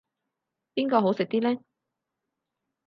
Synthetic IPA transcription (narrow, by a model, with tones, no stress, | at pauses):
piː˥nkɔː˧ɦo˨˥wsɪ˨k̚t̪iː˥lɛː˥